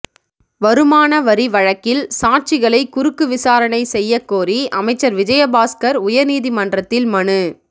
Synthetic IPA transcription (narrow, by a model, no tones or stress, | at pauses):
ʋɐɾɯmaːnɐʋɐɾiʋɐɻɐkːɪlsaːʈ̚t͡ʃɪɣɐɭɐɪkʊɾɯkːɯʋɪsaːɾɐnɐɪsɛjːɐkːoːɾiʔɐmɐɪt͡ʃːɐɾʋɪd͡ʒɐjɐbaːskɐɾʊjɐɾniːðimɐndrɐt̪ːɪlmɐɳɯ